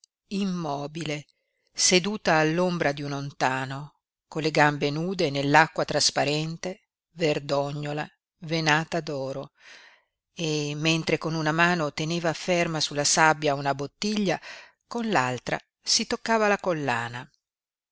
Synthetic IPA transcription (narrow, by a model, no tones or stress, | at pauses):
imːɔːbile | sed̪uːt̪aːlːombɾad̪iunont̪aːno | kolːeɡambenuːd̪enelːakːwat̪ɾaspaɾɛnt̪e | verd̪ɔɲːola | venaːt̪ad̪ɔːɾo | emːent̪ɾekonunamaːnot̪eneːvafermasulːasabjaunabot̪ːiʎːa | konlalt̪ɾa̰ | sit̪okːaːvalakolːa̰ːna